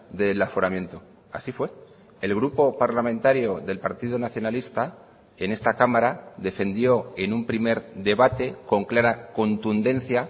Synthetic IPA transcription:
d̪e̞lafo̞ɾamje̞nt̪o̞ | a̰sifwe̞ | elɣ̞ɾupo̞paɾlamẽ̞nt̪aɾjo̞ðe̞lpaɾt̪iðonaθjo̞nalist̪a | e̞ne̞st̪akamaɾaðe̞fe̞nd̪jo̞e̞numpɾime̞ɾd̪e̞βat̪e̞ko̞ŋklaɾako̞nt̪und̪e̞n̟θja

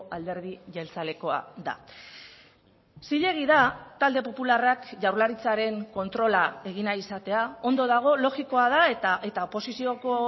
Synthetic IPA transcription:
ald̪e̞ɾð̞iʝelt͡sale̞ko̞a̰ða̰ | siʎe̞ɣ̞iðat̪ald̪e̞po̞pularakʝawɾlaɾit͡saɾe̞ŋko̞nt̪ɾo̞lae̞ɣ̞inaisat̪e̞ao̞nd̪o̞ð̞aɣ̞o̞lo̞ɣiko̞aðaet̪aʔe̞t̪aopo̞sisio̞ko̞

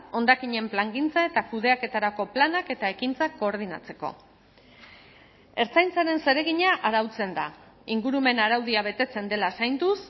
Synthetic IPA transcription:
o̞nd̪akiɲe̞mplaŋɡint͡saet̪akuð̞e̞ake̞t̪aɾako̞planake̞t̪ae̞kint͡sako̞ːɾð̞ina̰t͡se̞̥ko̰ | e̞ɾt͡sajnt͡saɾe̞nse̞ɾe̞ɣ̞iɲaʔaɾawt͡se̞nd̪a | iŋɡuɾume̞naɾawðiaβ̞e̞t̪e̞t͡se̞nd̪e̞lasajnd̪us

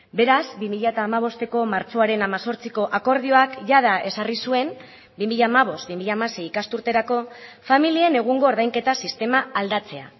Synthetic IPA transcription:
be̞ɾazbimiʎat̪aːmaβ̞o̞st̪e̞ko̞maɾt͡so̞aɾe̞namaso̞ɾt͡siko̞ʔako̞ɾðio̞akʝaðaʔe̞sarisue̞m | bimiʎaːmaβ̞o̞st̪̚bimiʎaːmase̞jikast̪uɾt̪e̞ɾako̞familiene̞ɣ̞uŋɡo̞ːɾðajŋke̞t̪asist̪e̞maald̪at͡se̞a̰

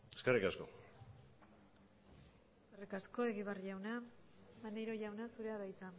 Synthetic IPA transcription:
eskerikasko̞̰ | eskerikasko̞e̞ɣiβarʝawnamanejɾo̞ʝawnasuɾe̞aðajt͡sa

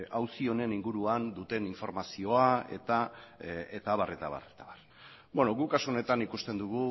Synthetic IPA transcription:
awsio̞ne̞niŋɡuɾuand̪ut̪e̞niɱfo̞ɾmasio̞ae̞̰t̪a | et̪aβare̞t̪aβa̰ret̪aβar | benoɣukasone̞t̪anikust̪e̞nd̪uɣ̞u

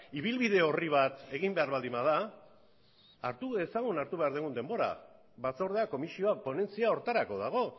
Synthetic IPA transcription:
iβ̞ilβiðe̞o̞riβ̞at̪e̞ɣimbe̞aɾβald̪imaða | aɾt̪ue̞saɣ̞unaɾt̪uβe̞aɾð̞eɣund̪e̞mbo̞ɾa̰ | βat͡so̞ɾðe̞ako̞misio̞apo̞ne̞nt͡siao̞ɾt̪aɾako̞ð̞aɣ̞o̞

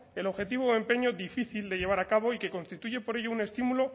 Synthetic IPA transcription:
e̞loxe̞t̪iβoe̞mpe̞ɲo̞ðifiθild̪e̞ʝe̞β̞aɾakaβo̞ike̞ko̞nst̪it̪uʝe̞po̞ɾe̞ʝo̞une̞st̪imulo̞

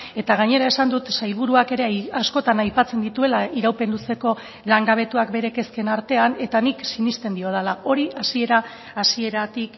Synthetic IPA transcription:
e̞t̪aɣ̞aɲe̞ɾae̞sand̪ut̪sajβ̞uɾuake̞ɾe̞asko̞t̪anajpat͡se̞nd̪it̪ue̞laiɾawpe̞nluse̞ko̞ | laŋɡaβ̞e̞t̪uakbe̞ɾe̞ke̞ske̞naɾt̪e̞ane̞t̪aniksinist̪e̞nd̪io̞ð̞alao̞ɾiʔasie̞ɾaː | sie̞ɾat̪ik

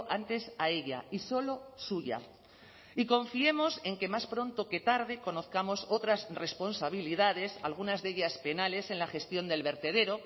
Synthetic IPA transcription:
ʔant̪e̞sae̞ʎa̰iso̞lo̞suʝa̰ | iko̞ɱfie̞mo̞se̞ŋke̞maspɾo̞nt̪o̞ke̞t̪aɾð̞e̞ko̞no̞θkamo̞so̞t̪ɾasre̞spo̞nsaβ̞iliðað̞e̞sa̰lɣ̞unazðe̞ʎaspe̞nale̞se̞nlaxe̞st̪jo̞nd̪e̞lβe̞ɾt̪e̞ð̞e̞ɾo̞

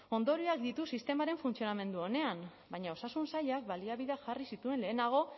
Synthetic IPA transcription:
o̞nd̪oɾiak̚d̪it̪usist̪e̞maɾe̞ɱfunt͡sio̞name̞nd̪uo̞ne̞am | bajɲao̞sasunsaʎak̚baliaβiðaʝarisit̪ue̞nle̞ːnaɣ̞o̞

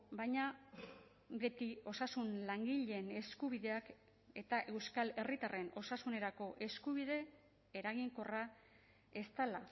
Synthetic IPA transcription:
bajɲa | be̞t̪io̞sasunlaŋɡiʎene̞skuβ̞iðe̞ak | e̞t̪aʔe̞wskale̞rit̪are̞no̞sasune̞ɾako̞ʔe̞skuβ̞iðe̞ | eɾaɣiŋko̞ra | e̞st̪ala

